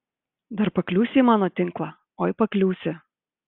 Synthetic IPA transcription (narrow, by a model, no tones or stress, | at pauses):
d̪ɐɾpɐklʲuːsʲɪiːmɑːnoːt̪ʲɪŋklˠɑ | oːjɪpɐklʲuːsʲɪ